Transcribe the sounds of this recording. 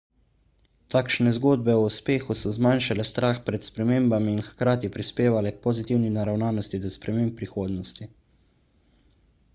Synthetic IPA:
t̪aːkʃnɛzɡoːd̪̚bɛɔuspeːxusɔzmanʃalɛst̪ɾʔaːxpɾɛt̪spɾɛmeːmbaminxkɾaːt̪ipɾispeːʋalɛk̚pɔzit̪iwninaɾawnaːnɔst̪id̪ɔspɾɛmempːɾixoːd̪nɔst̪i

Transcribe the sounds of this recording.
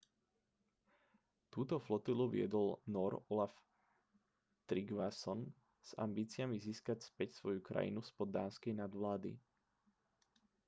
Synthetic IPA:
t̪uːt̪ɔflɔt̪iluʋɪ̰ɛ̰d̪ɔlnɔɾɔlaf | t̪ɾiɡʋasɔn | z̥a̰mbiːt͡sɪamiziːskacspɛcsʋɔjukɾa̰jḭnuspɔd̪ːa̰ːnskɛjnad̪ʋlaːd̪ḭ

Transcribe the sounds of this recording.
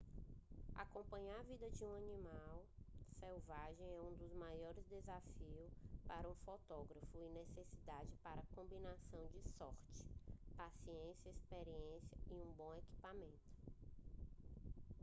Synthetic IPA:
a̰kõmpɐ̃ɲavid̪ɐd͡ʒɪũɐnĩmawsewvaʒẽj̃ɛũd̪ʊzmajɔɾɪzd̪ezafiʊspaɾɐũfɔt̪ɔɡɾɐfʊɪnesesid̪ad͡ʒɪpaɾɐkõmbinasɐ̃w̃d͡ʒɪsɔɾt͡ʃɪ̥pasiẽsjɐespeɾiẽsjɐiũbõw̃eki̥pamẽnt̪ʊ̥

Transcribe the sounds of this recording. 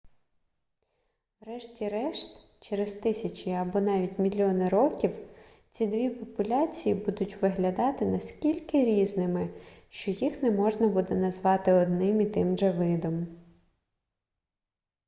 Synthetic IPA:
wɾɛʃtʲiɾɛʃt̪ | t͡ʃeɾezt̪ɪsʲɐt͡ʃʲɪɐbɔnɑʋʲitʲmʲilʲːɔnɪɾɔkʲiw | t͡sʲid̪ʋʲipɔpʊlʲɑt͡sʲijibud̪ʊtʲʋɪɦlʲɐd̪ɑt̪ɪnɐskʲilʲkɪɾʲiznɪmɪʃt͡ʃɔjixnɛmɔʒnɐbud̪ɛnɐzʋɑt̪ɪɔd̪nɪmit̪ɪmʒɛʋɪd̪ɔm

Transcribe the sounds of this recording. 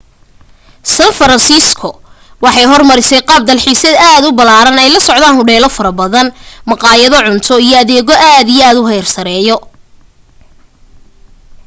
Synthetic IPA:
sɐnfɐɾɐnsiːskʰʊ | wɑħɑjɦɔrmɐɾɪsɛjqɑːb̚d̪ɐlħiːsɛd̪aːd̪ʊbɐlaːɾɐnɛjlɐsɔʕd̪aːnhʊɽɛːlɔfɐɾɐbɐðɐnmɑqɑːjɐðɔʕʊnt̪ʰɔijɔɐðɛːɣɔʔaːd̪ijɛaːd̪ʊɦɛjrsɐɾɛːjɔ

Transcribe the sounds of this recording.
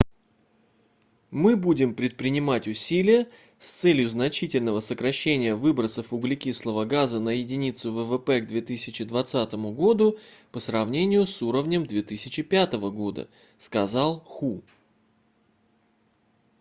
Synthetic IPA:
mɨbudʲɪmpɾʲɪt̪̚pɾʲɪnʲɪmatʲʊsʲilʲɪjə | st̪sɛlʲjʊznɐt͡ɕitʲɪlʲnəvəsəkɾɐɕːenʲɪjəvɨbɾət̪səfʊɡlʲɪkʲislˠəvəɡazənəjɪdʲɪnʲit̪sʊvəvəpɛɡd̪vʲe̞t̪ɨsʲɪt͡ɕɪd̪vɐt̪sat̪əmʊɡo̞d̪ʊpəsɾɐvnʲenʲɪjʊsuɾəvnʲəmd̪vʲet̪ɨsʲɪt͡ɕɪpʲat̪əvəɡo̞d̪ə̰ | skɐzɑlˠxu

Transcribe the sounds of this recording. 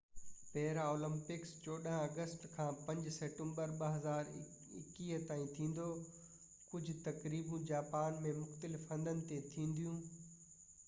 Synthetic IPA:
pɛɦɪɾaoːlə̃mpɪkst͡ɕoːɗəɦə̃ɐɡəsʈkʰãːpɐ̃ɲd͡ʑsɛːʈẽmbəɾɓɐɦɐzaːɾ | ɪ̰kiːɦt̪aːĩt̪ʰĩːn̆d̪o | kʊd͡ʑʱʊt̪ɐkɾiːbũd͡ʑaːpaːnmẽmʊxt̪əlɪfɦɐ̃nd̪ənɪ̆t̪et̪ʰĩːn̆d̪ijũː

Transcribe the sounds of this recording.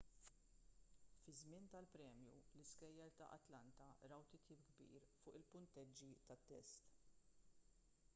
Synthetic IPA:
fɪzmɪnt̪ɐlpɾɛːmjulɪskɛjːɐɾt̪ɐ̰ʔɐ̰t̪lɐnt̪ɐɾɐwt̪ɪt̪jɪːp̚ɡbḭːɾfʊːʔɪlpʊnt̪ɛd͡ʒːit̪ɐt̪ːɛ̰st̪

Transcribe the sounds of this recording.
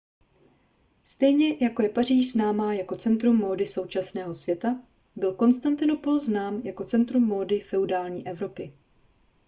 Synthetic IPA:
st̪ɛjɲɛjako̞jɛpar̝iːʃznaːmaːjako̞t͡sɛnt̪ɾumːo̞ːdɪso̞wt͡ʃasnɛːɦo̞svjɛt̪a | bɪlko̞nst̪ant̪ɪno̞po̞lznaːmjako̞t͡sɛnt̪ɾumːo̞ːdɪfɛudaːlɲiːʔɛvɾo̞pɪ

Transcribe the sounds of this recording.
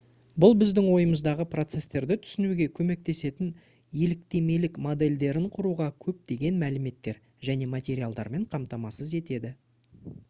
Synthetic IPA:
bʊlˠbɪzd̪ɪŋwo̞jəməzd̪ɑʁəpro̞t̪se̞st̪e̞ɾd̪ɪt̪ʰʏ̥sɪnuɡʲekʲʰɵme̞k̚t̪e̞se̞t̪ɪn | je̞lɪkt̪e̞me̞lɪkmo̞d̪e̞lʲd̪e̞ɾɪɴqʰʊɾuʁɑkʲʰɵp̚d̪e̞ɡʲe̞nmælɪme̞t̪ːe̞ɾ | ʒæne̞mat̪ʲe̞ɾijalˠd̪ɑ̰ɾme̞ɴqʰɑmt̪ɑmɑsəze̞t̪e̞d̪ɪ

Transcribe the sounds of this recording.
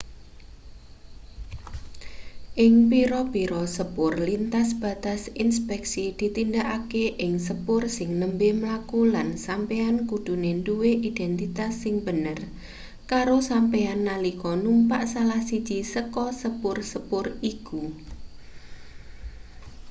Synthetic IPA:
ʔɪŋpiɾɔpiɾɔsəpʊrlint̪asb̥a̤t̪asinspɛksid̪̥i̤t̪indaʔakeʔɪŋsəpʊrsɪŋnəmbehməlakulansampeankud̪̥ṳnenduweʔid̪̥ɛnt̪it̪asːɪŋbə̤nər | kaɾosampeanːalikɔnumpaʔsalahsid̥d͡ʒ̥isəkɔsəpʊrsəpʊriku

